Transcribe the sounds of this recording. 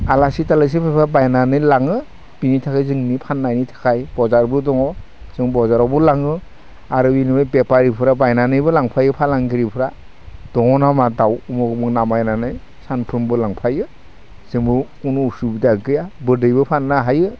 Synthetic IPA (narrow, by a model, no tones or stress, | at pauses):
alasitalɯs̬ipʰajpʰɾabajnanɯjlaŋɯ | b̥initʰakʰajzɯŋnipʰanːajnitʰḁkʰajb̥ɔzaɾbɯdɔŋɔ | z̥ɯŋbɔzaɾawbɯlaŋɯ | aɾɯbinibɯjbepaɾipʰɯɾabajnanɯjbɯlaŋpʰajɯpʰalaŋɡiɾipʰɯɾa | d̥ɔŋɔnamadawumɔɡɯmɯŋnamajnanɯj | sanpʰɯmbɯlaŋpʰajɯ | z̥ɯŋbɯkunuːsubidaɡɯjabɯdɯjbɯpʰanːaɦajɯ